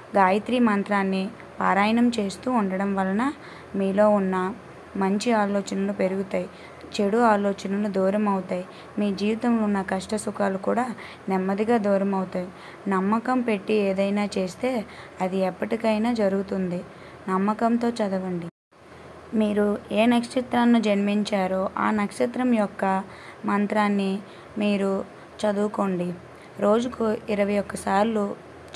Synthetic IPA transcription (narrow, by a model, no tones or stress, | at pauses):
ɡaːjɐt̪ɾiːmɐnt̪ɾaːnːi | paːɾaːjɐnɐmt͡ʃe̞ːst̪uːuɳɖɐɽɐmʋɐlɐnɐ | miːlo̞ːunːɐ | mɐɲt͡ʃiaːlɔːt͡ʃɐnɐlupe̞ɾuɡut̪aːji | t͡ʃe̞ɽuaːloːt͡ʃɐnɐlud̪ɔːɾɐmɐwut̪aːji | miːd͡ʒiːʋit̪ɐmlunːɐkɐʂʈɐsukaːlukuːɽaː | nɛmːɐd̪iɡaːd̪ɔːɾɐmɐwut̪aːji | nɐmːɐkɐmpe̞ʈːieːd̪ɐjnaːt͡ʃe̞ːst̪e̞ːɐd̪iɛpːɐʈikɐjnaːd͡ʒɐɾuɡut̪und̪i | nɐmːɐkɐmt̪o̞ːt͡ʃɐd̪ɐʋɐɳɖi | miːɾueːnɐkʂit̪ɾaːnːud͡ʒɐnmiɲt͡ʃaːɾoʔa̰ːnɐkʂɐt̪ɾɐmjɔkːɐ | mɐnt̪ɾaːnːi | miːɾu | t͡ʃɐd̪uːkoɳɖi | ɾo̞ːd͡ʒukuiɾɐʋɐjɔkːɐsaːɾlu